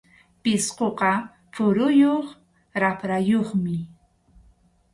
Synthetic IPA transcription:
pɪsqoqɑ | fʊɾʊjoχ | ɾapɾajoχmɪ

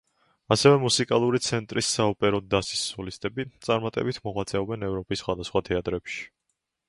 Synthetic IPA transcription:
asɛvɛmusikʼalˠuɾit̪sʰɛnt̪ʼɾisːaɔpʼɛɾɔd̪asi̥sːɔlist̪ʼɛbit̪sʼaɾmat̪ʼɛ̰bit̪ʰmɔʁwat̪sʼɛɔbɛnɛvɾɔpʼisːχwad̪asχwat̪ʰɛat̪ʼɾɛpʃi̥

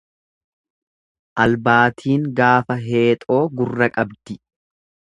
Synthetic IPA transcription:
ʔɐlbaːt̪ʰiːŋɡaːfɐɦe̞ːt̪ʼo̞ːɡʊrːɐkʼɐbd̪ɪ

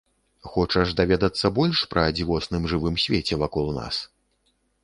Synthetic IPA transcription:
xɔt͡ʂɐʐd̪avʲɛd̪ɐt̪sːɐbɔlʲʂpɾɐd͡zʲivɔsnɨmʐɨvɨmsʲvʲet͡sʲɛvakɔlˠna̰s

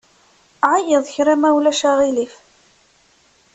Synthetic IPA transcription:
ʕajəðˤçɾæmæwlæʃaʁilif

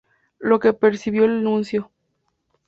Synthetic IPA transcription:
lokepeɾsiβjo̞elanũnsjo

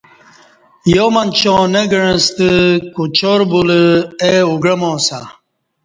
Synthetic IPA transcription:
jomɐnt͡ɕõneɡəɻə̃st̪əkut͡ɕoɾbuləeuɡɾɐmoːsa

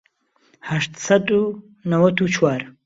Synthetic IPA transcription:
haʃt̪sɐd̪ʼu | nɐwɐt̪ʰut͡ʃʰwaɾ

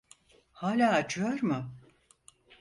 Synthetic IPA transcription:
haːlʲaːt͡ʃʰɯjoɾmʊ

